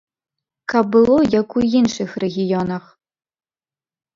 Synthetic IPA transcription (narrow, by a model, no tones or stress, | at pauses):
kʰabɨlˠojakʷujinʂɨxreɣʲijonɐχ